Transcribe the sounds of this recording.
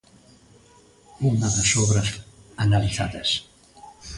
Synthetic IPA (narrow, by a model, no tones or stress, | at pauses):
unaðasoβɾɐsanaliθaðɐs